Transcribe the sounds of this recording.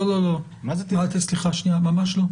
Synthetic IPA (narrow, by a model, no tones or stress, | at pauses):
ololo | mazet̪ialt̪esliχaʃniamamaʃlo